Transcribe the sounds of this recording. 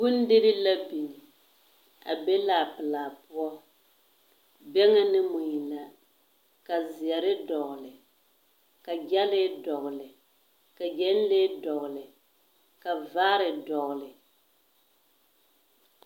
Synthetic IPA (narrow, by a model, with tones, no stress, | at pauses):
ɡʊ˦n˦dɪ˦ɾɪ˦la˦bi˨ni˨ | a̰˨be˦laː˨pɨ˨laː˨pʊ˦ɔ˦ | bɛ˦ŋa˦nɪ˦mʊ˨ɲi˨la˨ | ka˨zɪ˨ɛ˨ɾɪ˦dɔ˨ɣʊ˨lɪ˨ | ka˨d͡ʒa˦lɪ˦dɔ˨ɣlɪ˨ | ka˨d͡ʒɛ˦n˦leː˦dɔ˨ɣʊ˨lɪ˨ | ka˨vaː˦ɾɪ˨dɔ˨ɣlɪ˨